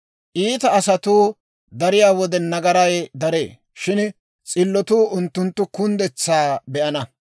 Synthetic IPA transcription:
ʔiːt̪ɐːsɐt̪uː | d̪ɐɾɪjaːwɔd̪ɛnɐɡɐɾɐjd̪ɐɾḛː | ʃɪn | t͡sʼɪlːɔt̪uːʔʊnt̪ːʊnt̪ːʊkʊnd̪ɛt͡sːaːbɛʔɐnɐ

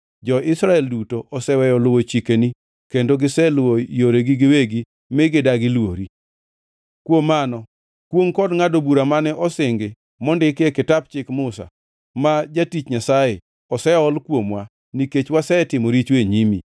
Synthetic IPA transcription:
d͡ʒɔɪsɾaɛldutoʔɔsɛwɛjɔlʊwot͡ʃikeni | kendoɡɪsɛlwojoɾeɡiɡɪweɡi | meɡɪdaɡɪlwoɾi | kwomːanɔ | kwoŋkɔdŋadobuɾamanɛʔɔsɪŋɡɪ | mɔndɪkekɪtap̚t͡ʃɪkmʊsa̰ | mad͡ʒatit͡ʃɲasajɪ | ɔsɛɔlkwomwa | niket͡ʃwasɛtɪmoɾit͡ʃweɲimḭ

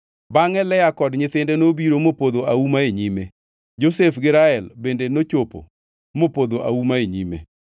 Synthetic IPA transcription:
baŋɛlɛjakɔdɲɪθɪndɛnobiɾomopod̪oaumaeɲime | d͡ʒosefɡɪɾaɛlbendenot͡ʃopo̰ | mopod̪oʔa̰umaeɲḭmḛ

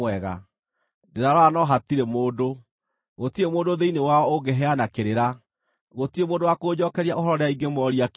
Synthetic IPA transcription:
ɛɣa | deɾaɾwanɔɦatiɾemoːdo | ɣotiemoːdoðeinewaɔoɡɛɦɛanakeɾeɾa | ɣotiemoːndowakoːd͡ʑɔkɛɾiaʔoɦɔɾɔɾeaiɡemɔːɾiak

